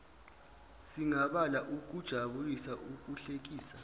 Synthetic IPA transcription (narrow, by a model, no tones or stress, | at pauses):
siŋaɓalaʔuk̬ʼud̥ʒ̥ʱaɓulisaʔuk̬ʼuɬek̬iːsa